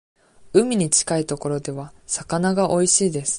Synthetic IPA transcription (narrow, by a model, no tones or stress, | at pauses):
ɯ̟mʲiɲ̟it͡ɕi̥kait̪o̞ko̞ɾo̞d̪e̞β̞asakanaɡaʔo̞iɕiːd̪e̞sɨ̥